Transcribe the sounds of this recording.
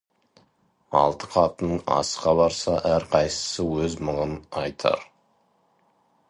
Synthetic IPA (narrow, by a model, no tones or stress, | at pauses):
ɑ̰lˠt̪əqʰɑt̪ənəɴɑ̰sqɑbɑɾsɑʔæɾqʰɑjsə̥səwɵzməʁənɑjt̪ʰɑ̰ɾ